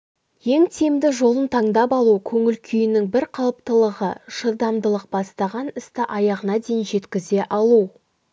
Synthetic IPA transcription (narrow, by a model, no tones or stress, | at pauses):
je̞ŋt̪ʰe̞md̪ɪʒo̞lˠənt̪ʰɑɴd̪ɑpɑlˠukʲʰɵŋɪlkʲʰʏjɪnɪŋbɪɾqʰɑlˠəp̚t̪əlˠəʁəʒ̥əɾd̪ɑmd̪əlˠəq̚b̥ɑst̪ɑʁɑnɪst̪ɪʔɑjɑʁənɑd̪ejnʒe̞t̪kʲɪze̞ʔɑlˠu